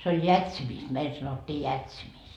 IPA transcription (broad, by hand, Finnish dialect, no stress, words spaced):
se oj jætsimist meil sɑnotːiː jætsimist